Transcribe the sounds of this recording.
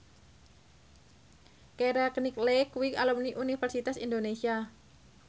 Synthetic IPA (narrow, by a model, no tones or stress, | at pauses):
keɾakniklɛkwikalɔmniʔunifɛrsit̪asindonesia